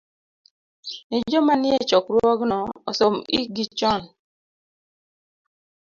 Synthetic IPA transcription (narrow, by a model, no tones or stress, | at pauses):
nɪd͡ʒɔmanɪɛt͡ʃɔkɾwɔɡnɔːsomḭɡit͡ʃɔn